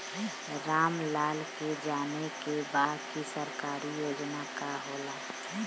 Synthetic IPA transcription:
ɾaːmlaːlked͡ʒaːnekebaːd̪kisəɾkaːɾijoːd͡ʒnakaɦoːlaː

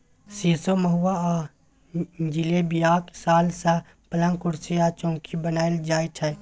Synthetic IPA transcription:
sisoməɦuwa | d͡ʒilebijaːksaːlsa | pəlãŋkʊɾsiat͡ʃɔ̃ːkʰibənaːeld͡ʒaːiʈʰɛ

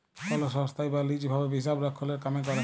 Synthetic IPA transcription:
fʰɔlɔsɔst̪ʰajbalid͡ʒbʱabɛbis̬abɹakʰːɔlɛɹkamɛkɔɹɛ

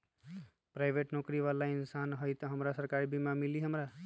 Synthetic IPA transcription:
pɾaɪbʱeʈnokɾiʋalaɪnsanɦəjt̪ɦəmɾasəɾkaɾbʱimamiliɦəmɾa

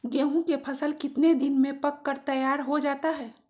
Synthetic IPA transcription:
ɡeːɦũkepʰɐsəlkɪt̪ned̪ɪnmẽpɐkːəɾt̪ɐjaːɾɦod͡ʒaːt̪aɦɛː

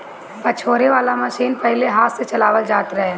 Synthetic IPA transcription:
pɐt͡ʃʰoːɾeʋaːlamɐʃiːnpɛɦɪleɦaːt̪set͡ʃɐlaːʋəld͡ʒaːt̪ɾɐɦẽː

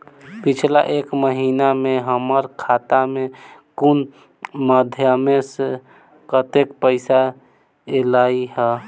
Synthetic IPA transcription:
pit͡ʃʰla̰ʔekməɦinameɦəməɾkʰat̪amekun | məd̪ʱjəmese | kət̪ekpəɪsa | elaiɦɛ

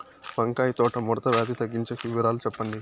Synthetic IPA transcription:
pɐŋkaːjt̪ɔːʈɐmɔɾɐt̪ɐʋjaːd̪it̪ɐɡːiɲt͡ʃekuʋɐɾaːlut͡ʃɛpːɐɳɖi

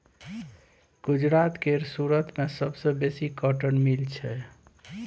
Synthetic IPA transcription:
ɡ̥ud͡ʒɾat̪keɾsuɾət̪mesəbsə̃besikəʈənmilt͡ʃʰɛ

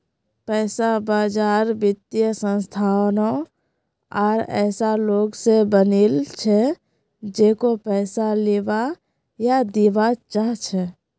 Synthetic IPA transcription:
pɛːsabaːd͡ʒaːɾbɪt̪jəsə̃nst̪ʰaːwno | ɔːɾɛ̰ːsaloːɡsebənilt͡ʃʰɛ | d͡ʒeːkopɛːsaleːʋa | jad̪iʋat͡ʃaɦt͡ʃʰɛ

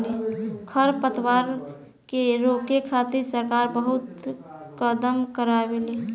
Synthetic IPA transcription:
lekʰəɾpət̪ʰwaɾ | keɾokekʰat̪iɾsəɾkaɾbəɦut̪kəd̪əmkəɾabele

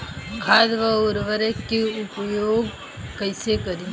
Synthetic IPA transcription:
kʰaːd̪ʋaʊɾʋəɾekeʊpjoːɡ | kəɪsekəɾi

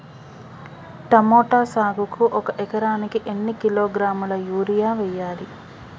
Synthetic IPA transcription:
ʈɐmoːʈaːsaːɡukuʔɔkɐʔɛkɐɾaːnikiʔenːikiloːɡɾaːmulɐjuːɾijaːʋɛjːaːli

